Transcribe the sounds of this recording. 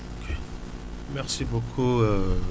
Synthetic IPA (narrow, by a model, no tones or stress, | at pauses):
okʰe | mɛʁsibokʰuø